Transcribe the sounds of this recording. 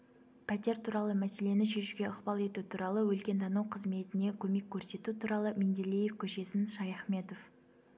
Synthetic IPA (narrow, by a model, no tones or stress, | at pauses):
pʰæt̪e̞ɾt̪ʰuɾɑlˠəmæse̞le̞nɪʃe̞ʃuɡʲe̞əqbɑlˠe̞t̪ut̪ʰuɾɑlˠəwɵlkʲe̞nd̪ɑnuwqʰəzme̞t̪ɪne̞kʲʰɵme̞kʲʰːɵɾse̞t̪ut̪ʰuɾɑlˠəmend̪elije̞fkʲʰɵʃe̞sɪnʃɑjɑχme̞t̪o̞f